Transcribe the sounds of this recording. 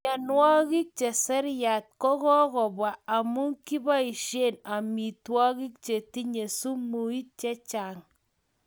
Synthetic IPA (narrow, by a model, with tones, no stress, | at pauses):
ɲa˨nwɔ˦ki˦k̚t͡ʃe˨sɛ˦ɾja˨t̚kɔ˦kɔ˦kɔ˨bwaː˨mu˦ŋki˦ba˦i˨ʃe˦˨na˨mi˨twɔ˦ki˦k̚t͡ʃe˨ti˦ɲe˨su˦mu˨i˦t̚t͡ʃe˦t͡ʃa˨ŋ